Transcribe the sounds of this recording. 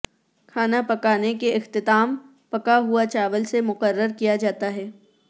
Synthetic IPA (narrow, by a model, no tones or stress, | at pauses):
kʰaːnapɐkaːnekeʔɪxt̪ɪt̪aːm | pɐkaɦuat͡ʃaːʋəlsemʊqəɾːəɾkijad͡ʒaːt̪aɦɛː